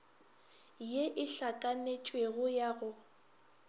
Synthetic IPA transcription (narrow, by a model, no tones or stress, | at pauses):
jeʔɪɬakʼanet͡ʃʼweɣʊjaɣʊ